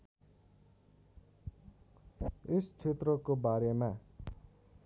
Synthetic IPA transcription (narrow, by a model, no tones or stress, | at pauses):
est͡sʰet̪rʌkobaɾema